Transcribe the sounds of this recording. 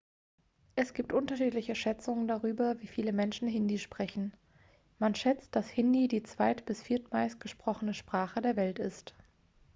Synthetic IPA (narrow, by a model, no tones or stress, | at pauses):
ʔɛsɡ̥iːp̚tʔʊntɐʃiːtlɪçəʃɛt͡sʊŋəndaʁyːbɐviːfiːləmɛnʃn̩ɦɪndiʃpʁ̥ɛçn̩ | manʃɛt͡st̚d̥ashɪndidiːt͡sv̥aɪtb̥ɪsfiːɐtmaɪst̚ɡ̥əʃpʁ̥ɔχənəʃpʁ̥aːχədeːɐvɛltɪst